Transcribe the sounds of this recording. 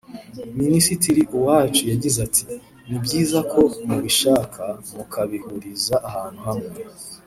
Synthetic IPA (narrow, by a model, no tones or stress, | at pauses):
minisitiɾiʔuwaːt͡ʃujaɟizatʰi | nibɟiːzakʰo̞muβiʃaːkʰamukʰaβihuɾizaʔahaːn̥huhamŋe